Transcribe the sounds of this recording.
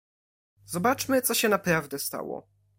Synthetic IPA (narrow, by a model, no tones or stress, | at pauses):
zɔbat͡ʂmɘt̪sɔɕɛnapɾavd̪ɛst̪a̰wɔ̰